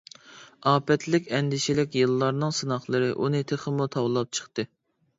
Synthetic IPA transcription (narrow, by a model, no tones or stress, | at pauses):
ɑːpʰɛt̪lɪkʲɛnd̪ɪʃilɪkʲjɨlˠːɑɾnɨŋsɨnɑχlˠɨɾɨʔunɨt̪ʰeχəmut̪ʰɑwlˠɑp̚t͡ʃʰə̥χt̪ɨ